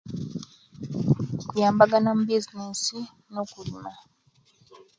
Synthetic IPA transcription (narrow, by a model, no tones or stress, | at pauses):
kujaːmbaɡanam̩bizinisi | nokulima